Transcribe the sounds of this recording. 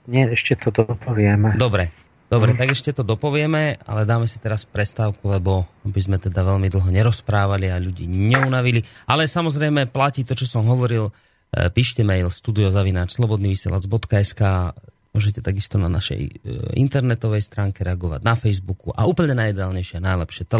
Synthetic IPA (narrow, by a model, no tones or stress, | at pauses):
ɲɪɛɛʃcɛt̪ɔd̪ɔpɔʋɪɛmɛd̪ɔbɾɛ | d̪̥ɔbɾɛt̪aɡɛʃcɛt̪ɔd̪ɔpɔʋɪɛmɛa̰lɛd̪aːmɛsi̥t̪ɛɾaspɾɛst̪aːʊkulɛbɔabizmɛt̪ɛd̪aʋɛʎmid̪l̩ˠɦɔɲɛɾɔspɾaːʋaliaʎuɟḭːɲɛunaʋilialɛsamɔzɾɛjmɛplaciːt̪ɔt͡ʃɔsɔmɦɔʋɔɾil | piːʃcɛmɛjlsʃt̪uːd̪iɔzaʋinaːt͡ʃslˠɔbɔd̪niːʋisɪɛ̰lad͡zbɔt̪kaɛskaːmʊɔʒɛcɛt̪aɡist̪ɔna̰na̰ʃɛ̰jḭnt̪ɛɾnɛt̪ɔʋɛjst̪ɾaːŋkɛɾɛaɡɔʋa̰ɟnafɛjzbukṵʔa̰uːpl̩ɲɛnajid̪ɛaːlɲɛjʃɪanajlɛpʃɪɛt̪ɛ